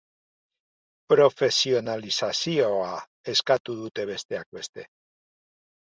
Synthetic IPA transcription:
pɾo̞fe̞sio̞nalisasio̞a | e̞skat̪uðut̪e̞β̞e̞st̪e̞ak̚be̞st̪e̞

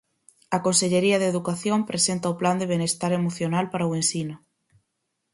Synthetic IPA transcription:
ɐkonseʎeɾiaðeðukaθjompɾesent̪aopland̪eβ̞enest̪aɾemoθjonalpaɾawensina

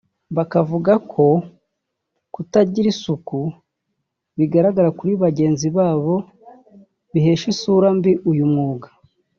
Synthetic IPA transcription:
βakavuɡakʰo̞ | kutaɟiɾisuku | βiɡaɾaɡaɾakuɾiβaɟe̞ːnziβaːβo̞ | βiɦe̞ːʃisuːɾambiʔujumŋuːɡḁ

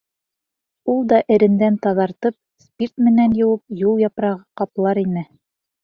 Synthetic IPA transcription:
ulˠd̪ɑʔɘ̆ɾɘ̆nd̪ænt̪ɑðɑɾt̪ɤp̚spʲirt̪mɘ̆nænjɤ̆wɤp̚julˠjɑpɾɑʁɑqɑplˠɑɾinɘ

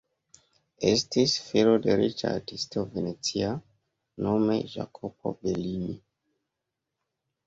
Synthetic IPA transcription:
estisfilode̞ɾit͡ʃa̰ɾtistovenet͡sia | no̞me̞ʒa̰kʰopo̞̰belini

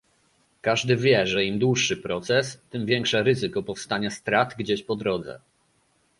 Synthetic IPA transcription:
kaʐd̪ɘvʲjɛʐɛimd̪wuʂːɘpɾɔt̪sɛst̪ɘmvʲjɛŋkʂɛɾɘzɘkɔpɔfst̪aɲast̪ɾat̪ɡd͡ʑeɕpɔd̪ɾɔd̪zɛ̰

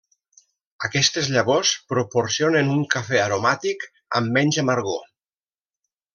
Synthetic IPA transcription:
akɛst̪ezʎaβospɾopoɾsionenuŋkafɛaɾomat̪ik | amːɛɲʲzamaɾɣo

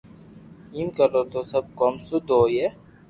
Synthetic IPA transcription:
iːmkəɾot̪osɐb̚kɔːmsʊd̪ʱoːje

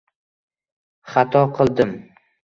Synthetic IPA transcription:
χat̪ʰɒqʰɨlˠd̪ɪm

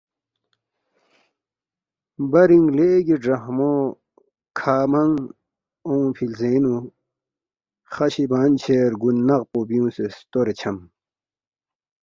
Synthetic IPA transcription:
bɐɾiŋɡleːɡiɖɐhmo | kʰaːmɐŋ | õːpʰilzeːnu | χɐɕibaːnt͡ɕʰeːɾɡunːɐɣpoːbijũːsest̪oɾet͡ɕʰɐm

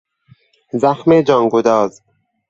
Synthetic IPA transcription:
zaxmeːd͡ʒɒːŋɡud̪ɑːz

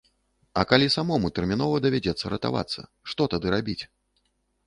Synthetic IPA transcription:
ɐkalʲisamɔmut̪ɛrmʲinɔvɐd̪ɐvʲad͡zʲɛt̪sːɐɾɐt̪a̰va̰t̪sːɐ̰ | ʂt̪ɔt̪ad̪ɨɾabʲit͡sʲ

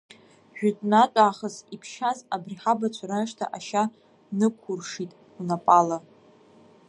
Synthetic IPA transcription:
ʒᶣʊtʼnatʷʼaːχəsipʰʃazabriħabat͡ɕʷʰaɾaʂtʰa̰ʔaʃa | nɨkʷʰʊrʂitʼ | unapʼala

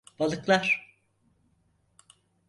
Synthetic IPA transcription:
b̥alˠɯklˠaɾ̥

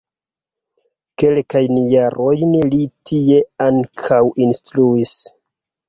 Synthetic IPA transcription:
ke̞lkajnjaɾo̞jnlitie̞aŋkʰawʔinstɾuis

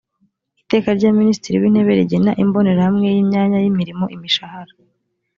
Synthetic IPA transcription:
ite̞ːkaɾɟaːminiːsi̥tiɾḭwiːn̥he̞βe̞ɾiɟenaʔimbo̞ne̞ɾahamŋe̞jimɲaːɲajimiɾimo̞ʔimiʃahaɾa

